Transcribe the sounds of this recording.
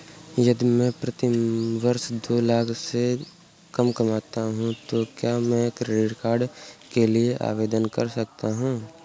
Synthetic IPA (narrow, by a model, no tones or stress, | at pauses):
jɐd̪mɛ̃pɾɐt̪iʋɐɾʃd̪oːlaːkse | kɐmkɐmaːt̪aɦũt̪okjaːmɛ̃ekɾeːɖkaːɾɖkelieʔa̰ːʋeːd̪ənkɐɾsɐk̚t̪aɦũː